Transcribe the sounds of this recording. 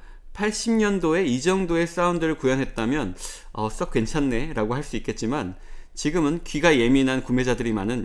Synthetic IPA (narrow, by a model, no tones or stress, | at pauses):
pʰaɭɕ͈imɲʌndoe̞id͡ʑʌŋdoe̞s͈aundɯɾɯɭkujʌnɦe̞t̚t͈amjʌn | ʌs͈ʌk͈we̞nt͡ɕʰanːe̞ɾaɡoɦaɭs͈uik͈e̞t̚t͡ɕ͈imant͡ɕiɡɯmɯnkɥiɡaje̞minankume̞d͡ʑadɯɾimanɯn